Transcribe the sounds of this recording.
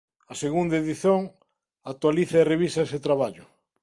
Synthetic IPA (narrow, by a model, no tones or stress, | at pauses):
ɐseɣund̪aeðiθjoŋ | at̪waliθaereβisaeset̪ɾaβaʎʊ